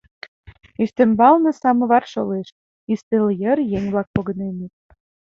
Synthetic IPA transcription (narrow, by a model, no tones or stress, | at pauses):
yst̪ĕmbɑlnɤ̆sɑmɤ̆βɑrʃoleʃ | ist̪eljəɾjeŋʲβlɑk̚poɣə̆neme